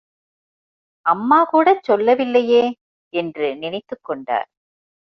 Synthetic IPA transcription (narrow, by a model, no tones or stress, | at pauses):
ɐmːaːkuːɽɐt͡ʃːɔlːɐʋɪlːɐjeː | ɛndrɯnɪnɐɪt̪ːɯkːɔɳɖa̰ːɾ